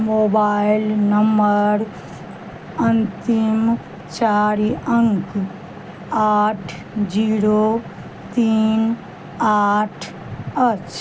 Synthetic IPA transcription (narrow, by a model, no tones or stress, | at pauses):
moːbaːɪlnɐməɾ | ɐnt̪im | t͡ʃaːɾiʔəŋk | aːʈʰ | d͡ʒiːɾo | t̪iːn | aːʈʰ | ət͡ʃ